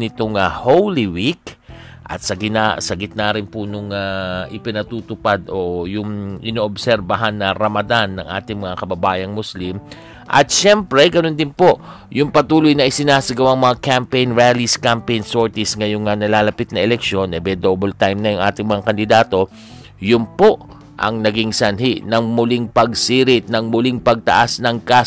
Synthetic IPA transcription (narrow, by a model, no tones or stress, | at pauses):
nɪt̪oŋahowlɪwik | ʔɐ̰t̪sɐɡɪnasɐɡɪt̪̚naɾɪnpʊnʊŋaʔɪpɪnɐt̪uːt̪ʊpad̪o̞jʊŋʔɪnoːʔobsɛɾbɐɦanːɐɾɐmɐd̪anːɐ̰ŋʔa̰ːt̪ɪŋmɐŋakɐbɐbaːjɐŋmʊslim | ʔɐ̰t̪ʃɛmpɾɛɡɐno̞nd̪ɪnpo̞ʔ | jʊŋpɐt̪uːlʊjnɐʔɪsɪnaːsɐɡɐwaŋmɐŋakampejnɹaliskampejnsoɹt̪ɪsŋɐjoŋŋanɐlaːlɐpɪt̪̚nɐɛlɛkʃo̞nʔɛbɛd̪obɐlt̪ajmnɐjʊŋʔa̰ːt̪ɪŋmɐŋakɐnd̪ɪd̪aːt̪o̞ | jʊnpo̞ʔ | ʔɐ̰ŋnɐɡɪŋsɐnɦiʔnɐŋmʊlɪŋpɐɡsiːɾɪt̪̚nɐŋmʊlɪŋpɐɡ̚t̪ɐ̰ʔasnɐŋka